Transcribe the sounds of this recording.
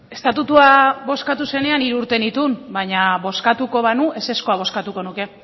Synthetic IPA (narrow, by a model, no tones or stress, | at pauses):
e̞st̪at̪ut̪uaβo̞skat̪use̞ne̞aniɾuɾt̪e̞nit̪unbaɲaβo̞skat̪uko̞β̞anuʔe̞se̞sko̞aβ̞o̞skat̪uko̞nuke̞